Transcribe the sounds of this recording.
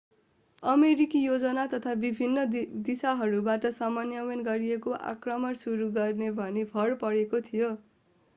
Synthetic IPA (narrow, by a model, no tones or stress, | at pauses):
ʌmeɾikijod͡zʌnat̪ʌt̪ʰabibʱinːʌd̪isaɦʌɾubaʈʌsʌmʌnjʌwenɡʌɾijekoʔa̰krʌmʌnsuɾuɡʌrnebʱʌnebʰʱʌɽpʌɽekot̪ʰijo